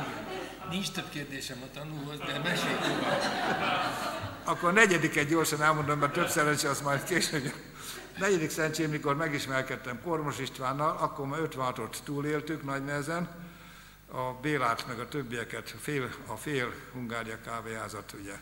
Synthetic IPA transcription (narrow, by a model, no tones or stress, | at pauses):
ɛ | nint͡ʃt̪øbkeːrd̪eːʃɛmɒt̪ɒnuːlɦozd̪ɛmɛʃeːlt̪yɔ | ɒkːoɾnɛɟɛd̪ikɛɟɟo̞rʃɒnɛlmo̞nd̪omːɛt̪øpsɛɾɛɲt͡ʃɛɒsmɒjt̪keːʃøɡb | nɛɟɛd̪iksɛɛɲt͡ʃeːmikormɛɡiʃmɛrkɛt̪ːɛmkormo̞ʃiʃt̪ʋaːnːɒlɒkːormaːøt̪ʋɛnɦɒt̪o̞t̪ːuːleːlt̪yknɒɟnɛɛzɛn | ɒbeːlaːt̪mɛɡɒt̪øbːijɛkɛt̪feːlɒfeːlhuŋɡaːɾijɒkaːveːɦaːzɒt̪uɟɛ